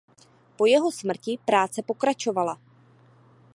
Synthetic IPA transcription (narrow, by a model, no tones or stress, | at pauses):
po̞jɛɦo̞smr̩cɪpɾaːt͡sɛpo̞kɾat͡ʃo̞vala